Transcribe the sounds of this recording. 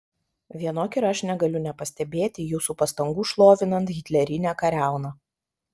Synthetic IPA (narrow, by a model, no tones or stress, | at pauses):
ʋʲiɛnoːkʲɪɾɐʃnʲɛɡɐlʲʊnʲɛpɐsʲt̪ʲɛbʲeːt̪ʲɪjuːsuːpɐst̪ɐŋɡuːʃlˠoːʋʲɪnɐnt̪ɣʲɪt̪ʲlʲɛɾʲɪnʲæːkɐɾʲæˑʊnɐː